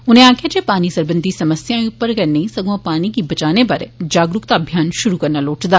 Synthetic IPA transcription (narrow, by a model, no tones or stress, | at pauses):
ʊnɦẽaːkʰijad͡ʒepaːnisɐɾbə̃nd̪ʱisɐməsjãpɐɾkɐɾneisɐɡãpaːnikibɐt͡ʃaːnepɐɾd͡ʒaːɡɾʊkt̪aːbʱjaːnʃʊɾukɐɾnaloːʈd̪aː